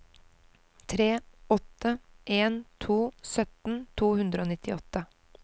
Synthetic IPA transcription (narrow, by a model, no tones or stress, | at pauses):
t̪ʰɾeːɔt̪əʔeːnt̪ʰuːsœt̪n̩t̪ʰuːhʉnd̪ɾəoːnɪt̪ɪɔt̪ːə